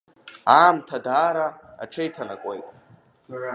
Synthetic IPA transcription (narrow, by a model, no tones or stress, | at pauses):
aːmtʰadaːɾa̰ː | ʈ͡ʂʰejtʰana̰kʷʼḛjtʼ